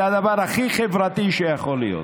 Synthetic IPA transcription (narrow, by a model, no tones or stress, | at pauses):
ad̪avaʁaχiχevʁat̪iʃejaχolḭjo̰t̪